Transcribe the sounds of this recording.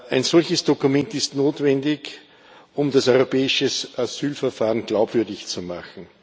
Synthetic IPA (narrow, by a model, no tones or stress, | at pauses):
ʔæɪnsɔlçəsd̥okʊmɛntɪstnoːtvɛndɪç | ʔʊmdasɔʏʁopɛːɪʃəsʔasyːlfɛɐfaːʁənɡ̥laʊbv̥ʏɐdɪçt͡suma̰χn̩